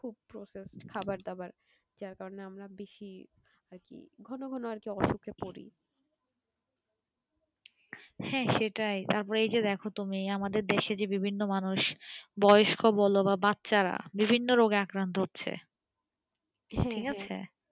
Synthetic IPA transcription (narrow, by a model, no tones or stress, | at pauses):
kʰub̚pɾoseskʰabaɾd̪abaɾ | d͡ʑaɾkaɾoneamɾabeʃi | aɾkḭɡʱɔnoɡʱɔnoaɾkiɔʃukʰepoɾḭ | hɛ̃ʃeʈajt̪aɾpɔɾeejd͡ʑed̪ɛkʰot̪umiamad̪eɾd̪eʃed͡ʑebibʱinːomanuʃbɔjoʃkʰobɔlobabatːɕaɾa̰bibʱinːoɾoɡeakɾant̪oɦotːɕʰḛ | ʈʰikat͡ɕʰḛ